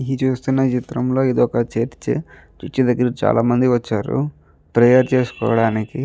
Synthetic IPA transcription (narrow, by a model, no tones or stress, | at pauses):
it͡ʃuːst̪unːɐt͡ʃit̪ɾɐmlo̞ːid̪ɔkɐt͡ʃeːʈt͡ʃe | t͡ʃit͡ʃːid̪ɐɡːɐɾɐt͡ʃa̰ːlaːmɐnd̪iʋɐt͡ʃːaːɾṵ | pɾɐjaɾt͡ʃe̞ːsu̥kɔ̰ːʋɐɽaːniki